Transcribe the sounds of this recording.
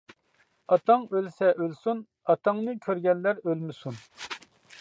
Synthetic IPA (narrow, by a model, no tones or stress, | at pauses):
ɑt̪ɑŋølsɛʔølsun | ɑt̪ʰɑŋnɨkʲʰøɾɡʲɛnlːæɾølmɪsun